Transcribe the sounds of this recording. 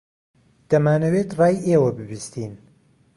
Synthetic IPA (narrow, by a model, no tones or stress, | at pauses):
d̪̥ɐmaːnɐweːt̪rɑːjeːwɐbɨbɨst̪iːn